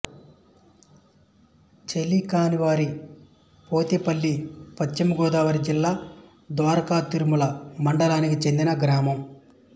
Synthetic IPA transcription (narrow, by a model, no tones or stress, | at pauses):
t͡ʃelːikaːniʋaːɾi | poːt̪ipɐlːipɐt͡ʃːimɐɡɔːd̪aːʋɐɾid͡ʒilːaː | d̪ʋaːɾɐkaːt̪iɾumulɐmɐɳɖɐlaːnikit͡ʃe̞nd̪inɐɡɾaːmɐm